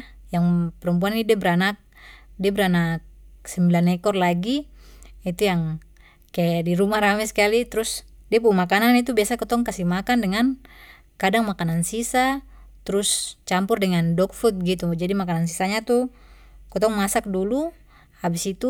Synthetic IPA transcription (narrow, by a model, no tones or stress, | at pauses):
jaŋpɛɾɔmp̬uanidiabɛɾanak̚diabɛɾanak̚sɛmbilanɛkɔrlaɡi | it̪ujaŋ | kɛdiɾumaɾamɛskalit̪ɾus | diap̬umakananit̪̬ubiasakɔt̪ɔŋkasimakandɛŋan | kadaŋmakanansisa | t̪ɾust͡ʃampurdɛŋandɔk̚fut̪̚ɡit̪ud͡ʒadimakanansisaɲat̪u | kɔt̪ɔŋmasak̚dulu | habisit̪u